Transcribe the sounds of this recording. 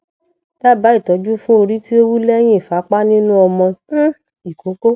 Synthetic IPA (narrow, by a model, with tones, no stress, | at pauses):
ta˦˨ba˨˦i˦˨tɔ˨˦d͡ʒu˦fũ˦o˧ɾi˦ti˦o˦wu˦lɛ˦j̃ĩ˦˨fa˨˦k͡pa˦nĩ˦nũ˦ɔ˧mɔ̃˧˦ | i˨ko˨˦ko˦